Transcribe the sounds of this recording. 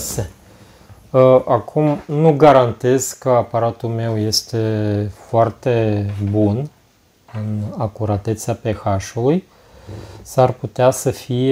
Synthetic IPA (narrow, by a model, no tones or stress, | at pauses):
se | ʔakʰumnuɡaɾant̪e̞z̥kəapaɾat̪ulme̞wje̞st̪e̞foart̪e̞bun | ɨnakuɾat̪e̞t̪sape̞xaʃuluj | sarput̪easəfie